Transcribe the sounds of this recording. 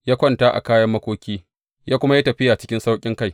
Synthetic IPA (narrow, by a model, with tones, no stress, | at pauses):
jaː˦kʷɔ˦ntaː˦ʔa̰˨kaː˦jɐ˦mːɐ˦kʷoː˦kʲiː˦ | jaː˦kʷʊ˦ma˦ja˦tɐ˨ɸɪ˦ja˨t͡ʃɪ˦kʲɪ˦nsa˦wkʲʼɪ˦ŋka˦˨j